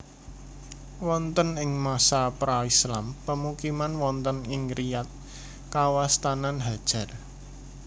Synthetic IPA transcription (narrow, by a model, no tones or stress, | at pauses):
wɔnt̪ənɪŋmasapɾaislampəmukimanwɔnt̪ənɪŋrijat̪̚ | kawast̪ananɦad̥ʒ̥a̤r